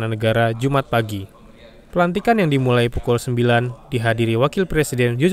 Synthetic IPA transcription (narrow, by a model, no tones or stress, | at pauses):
nanəɡaɾad͡ʒumat̪̚paɡi | pəlant̪̬ikanjaŋdimulajpukulsəmbilandiɦadiɾiwakɪlpɾesidɛnd͡ʒu